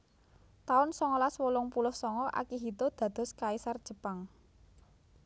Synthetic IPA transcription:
t̪aʊnsɔŋɔlaswolʊŋpulʊhsɔŋɔʔa̰kiɦit̪od̪̥ä̤d̪̥ɔ̤skaisard̥ʒ̥ə̤paŋ

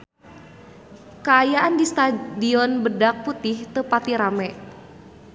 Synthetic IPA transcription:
kaːjaʔandist̪adiɔnbədak̚put̪ɪht̪əpat̪iɾamɛ

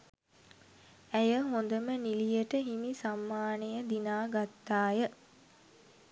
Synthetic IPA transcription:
æjəɦond̪əmənilijəʈəɦimisamːaːnejəd̪inaːɡat̪ːaːjə

